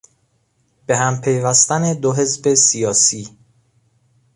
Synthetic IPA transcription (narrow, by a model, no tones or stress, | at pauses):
b̥e̞hæmpʰe̞jvæst̪æne̞d̪oɦe̞zbe̞sijɒːsiː